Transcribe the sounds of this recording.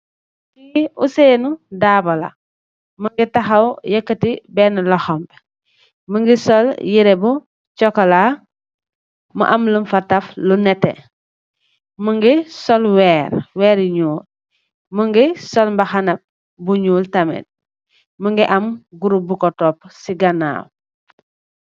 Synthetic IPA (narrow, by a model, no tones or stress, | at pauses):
tiṵseːnudaːbɐla̰ | məŋɡitɐxɐwjɐkːətibɛnlɐxɔmp | məŋɡisɔljiɾɛbu | t͡ʃɔkɔla | mṵʔɐmlumfɐtːɐflunɛtːɛ̰ | məŋɡisɔlwɛːɾwɛːɾiɲuːl | məŋɡisɔlmbɐxanɐp̚ | buɲuːltɐmɛ̰t̚ | məŋɡiʔɐmɡuɾubukɔtɔpsiɡɐna̰w